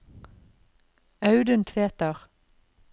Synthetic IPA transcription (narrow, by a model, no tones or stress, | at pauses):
ɑʉd̪ənt̪ʰʋeːt̪əʁ